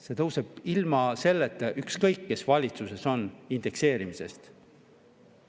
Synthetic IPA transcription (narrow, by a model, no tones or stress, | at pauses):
se̞ːt̪ɤwse̞b̥ilmɑse̞lːet̪ːˑeʔykskɤjkːe̞svɑlʲit̪suse̞so̞nind̪e̞kse̞ːɾimise̞̰st̪